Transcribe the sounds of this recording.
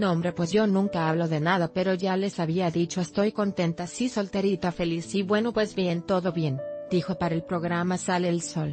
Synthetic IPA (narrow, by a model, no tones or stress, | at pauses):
nõ̞mbɾe̞pwe̞zʝo̞nũŋkaaβlo̞ðe̞naðape̞ɾo̞ʝale̞saβiaðit͡ʃo̞est̪o̞jko̞nt̪e̞nt̪asiso̞lt̪eɾit̪afe̞lisiβwe̞no̞pwe̞zbje̞nt̪o̞ðo̞βje̞nd̪̥ixo̞paɾaelpɾo̞ɣɾamasale̞ːlso̞l